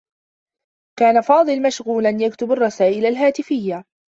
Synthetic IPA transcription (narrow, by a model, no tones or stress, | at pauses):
kaːnafɑːd̪ˤɨlmaʃɣuːlanjakt̪ʊbɑrˤːɑsaːʔɪlalɦaːt̪ɪfɪjːa